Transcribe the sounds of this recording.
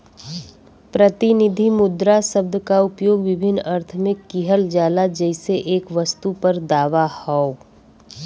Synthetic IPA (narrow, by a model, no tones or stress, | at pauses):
pɾət̪ɪnɪd̪ʱimʊd̪ɾasɐb̚d̪kaʊpjoːɡʋɪbʱɪnːɐɾt̪ʰmẽkiɦəld͡ʒaːlad͡ʒɛːɪseʔeːkʋɐst̪upɐɾd̪aːʋahɔo